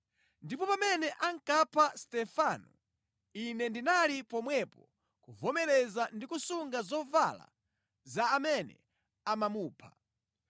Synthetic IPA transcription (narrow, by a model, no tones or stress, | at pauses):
ndipɔpamɛnɛʔaŋkapʰastɛfanu | inɛndinalipɔmwɛpɔ | kuvɔmɛlɛzandikusuŋɡazɔva̰la̰ | zaːmɛnɛ̰ | amamuːpʰḁ